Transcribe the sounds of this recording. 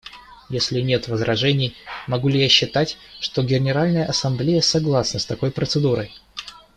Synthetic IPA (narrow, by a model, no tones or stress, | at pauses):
jesʲlʲɪnʲe̞t̪vəzɾʔɐʐɛnʲɪjmɐɡulʲɪjaɕːɪt̪atʲʂt̪o̞ɡʲɪnʲɪɾalʲnəjəʔɐsɐmblʲejəsɐɡlˠasnəst̪ɐko̞jpɾət̪sɨd̪uɾəj